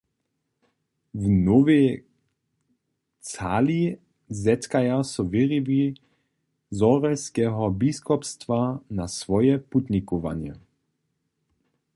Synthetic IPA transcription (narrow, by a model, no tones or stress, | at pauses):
vnɔvɛ | t͡sali | zɛt̪kajasuviʁivi | zɔɾɛskɛːɦɔbiskɔpst̪vanasvɔjɛput̪ɲikɔʋa̰njɛ̰